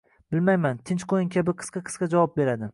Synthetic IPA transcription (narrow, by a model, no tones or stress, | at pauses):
bɪlmajmant̪ʰɪnt͡ʃqʰojɪŋkʲʰabɪqʰɨ̥sqɑqʰɨ̥sqɑd͡ʒavɒp̚be̞ɾad̪ɪ